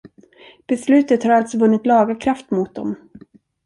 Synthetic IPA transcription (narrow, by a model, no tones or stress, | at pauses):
b̥ɛslʉ̟ːt̪ət̪haɾalt̪sɔvɵnːɪt̪lɑːɡakʰɾaft̪mʊt̪̚d̪ɔ̰m